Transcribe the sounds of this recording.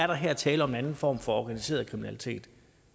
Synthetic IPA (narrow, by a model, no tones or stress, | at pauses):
æɐɾ̥ɑ̈ɦeɐ̰t͡sʰɛːləɒme̝nænn̩fɒ̰ːmfɒ̽ɒɡ̥ænise̝̰ːɐðˠkʰʁiminælit͡sʰe̝̰ːd̥